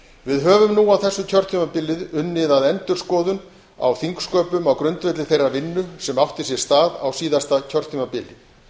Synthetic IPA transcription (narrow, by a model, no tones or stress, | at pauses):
vɪðɦœːvʏmnuawθɛsːʏcʰœr̥t̪ʰimapɪlɪðʏnːɪðaðɛnt̪ʏɾ̥skɔːðʏn | a̰wθiŋkskœːpʏmawkɾʏnt̪vɛt̪lɪθejravɪnːʏsɛmawht̪ɪs̬jɛɾ̥st̪aːðawsiːðast̪acʰœr̥t̪ʰimapɪlɪ